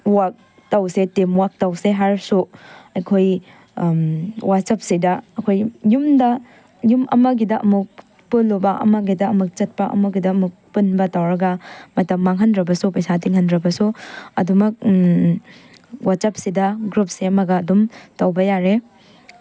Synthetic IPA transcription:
wak̚ | tɐwsetemwak̚tɐwseɦaɾsuɐjkʰoj | wat̚sɐp̚sidɐːkʰojjumdɐ | jumɐ̰mɐɡidɐʔɐ̰muk̚ | pɯlobɐʔɐ̰mɐɡidɐɐmuk̚t͡ʃɐt̚pɐʔɐ̰muɡidɐːmuk̚punbɐtɐwɾɐɡɐmɐtɐmːaŋɦɐndɾɐbɐsupɐjsatiŋhɐndɾɐbɐsuɐ̰dumɐk̚ | wat̚t͡ʃɐp̚sidɐɡɾup̚seɐmɐɡɐːdumtɐwbɐjaɾe

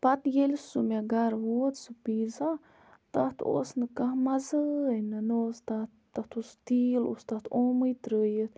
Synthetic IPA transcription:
pɐt̪jelʲsumʲaɡaɾʋoːt̪sɨpiːza | t̪ɐt̪ʰo̰ːsnɨkahmɐzɨnɨnɨost̪at̪t̪ɐt̪ʰost̪iːlo̰st̪ɐt̪ʰoːmɨjt̪ɾəːjət̪

